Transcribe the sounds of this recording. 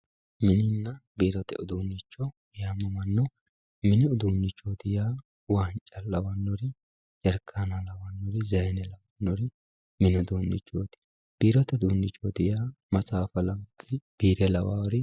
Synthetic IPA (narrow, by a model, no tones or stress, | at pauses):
mɪnɪnːɐbiːɾɔt̪ɛ̰ʊd̪uːnːɪt͡ʃːɔ | jaːmɐmɐnːɔ | mɪnɪʊd̪uːnːɪt͡ʃːoːd̪ɪjaː | waːnt͡ʃʼɐlːɐwɐnːɔɾɪ | t͡ʃʼɛɾkʰːanɐlɐwɐnːɔɾɪzɐjnɛlɐwɐnːɔɾɪ | mɪnɔd̪uːnːɪ̰t͡ʃːoːt̪ɪ̥ | b̥iːɾɔt̪ɛd̪uːnːɪt͡ʃʼːod̪ɪjaːmɐt͡sʼaːfɐlɐwt̪ːɪb̥iːɾɛlɐwa̰ːwɾɪ